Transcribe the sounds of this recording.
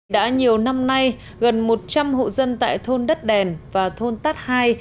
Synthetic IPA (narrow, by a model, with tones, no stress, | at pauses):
ɗa̰ː˧˥ɲi˨˩əwna˧mna˧j | ɣə˨˩nmo˨˩t̚t͡ɕa˧mho̰˧˨zə˧nt̪a̰ː˧˨jt̪ʰo˧nɗə˦˥t̚ɗɛ˨˩nvaː˨˩t̪ʰo˧nt̪aː˦˥t̚haː˧j